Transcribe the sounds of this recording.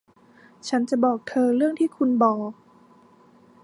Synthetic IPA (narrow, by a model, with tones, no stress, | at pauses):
t͡ɕʰa˦˥nt͡ɕa˨˩bɔː˨˩k̚t̪ʰɤː˧ɾɯ˥˩əŋt̪ʰiː˥˩kʰu˧nbɔː˨˩k̚